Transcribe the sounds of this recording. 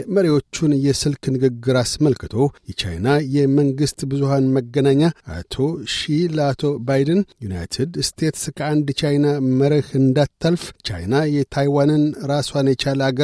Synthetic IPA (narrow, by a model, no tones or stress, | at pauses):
məɾewo̞t͡ʃːunjɛsɨlknɨɡɨɡːɨɾasməlkʰɨt̪ʰo̞jɛt͡ʃa̰jnajɛməŋɡɨst̪bɨzuhanməɡːənaɲːaʔa̰t̪ʰo̞ʃiləat̪ʰo̞bajdənjuna̰jt̪ʰɨd̪st̪ʰe̞t̪skʰəand̪t͡ʃajnaməɾəhɨnd̪at̪ʰːəlft͡ʃa̰jnajɛt̪ʰajwanɨnɾaswanjɛt͡ʃaləaɡə